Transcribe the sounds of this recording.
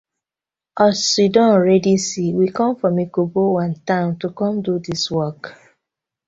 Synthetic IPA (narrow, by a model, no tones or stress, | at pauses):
ɔsidɔ̃nɹɛdisiwikɔ̃mfɔmikobowãntãʊ̃ntukɔ̃mdudiswɔk